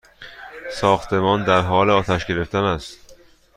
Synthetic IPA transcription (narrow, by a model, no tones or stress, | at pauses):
sɒːxt̪ʰe̞mɒːnd̪æɾɦɒːleɒːt̪ʰæʃɟe̞ɾe̞ft̪ænæst̪